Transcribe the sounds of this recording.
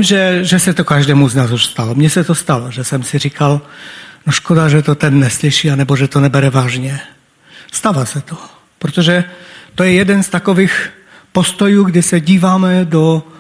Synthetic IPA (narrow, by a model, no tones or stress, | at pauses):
mʒɛʒɛsɛt̪ɔkaʒd̪ɛːmuznaːzuʃst̪alɔmɲɛsɛt̪ɔst̪alɔʒɛsɛmsiɾiːkalnɔʃkɔd̪aʒɛt̪ɔt̪ɛnːɛsliʃianɛbɔʒɛt̪ɔnɛbɛɾɛvaːʒɲɛ | st̪avaːsɛt̪o | pɾot̪ɔʒɛt̪ojɛjɛd̪ɛnst̪akɔʋiːx | pɔst̪ɔjuːɡd̪ɪsɛɟiːvaːmɛd̪ɔ